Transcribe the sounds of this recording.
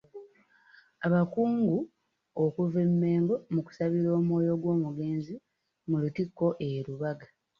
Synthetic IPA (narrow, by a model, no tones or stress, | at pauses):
aβakuːŋɡu | okuvemːe̞ːŋɡo̞muku̥saβiɾo̞ːmo̞ːjo̞ɡwo̞ːmuɡe̞ːnzi | mulutikːo̞ʔeɾuβaɡa